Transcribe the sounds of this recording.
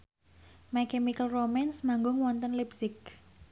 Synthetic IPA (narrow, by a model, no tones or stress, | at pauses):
mɛkɛmikəlromɛnsmaŋɡʊŋwɔnt̪ənlipsɪk̚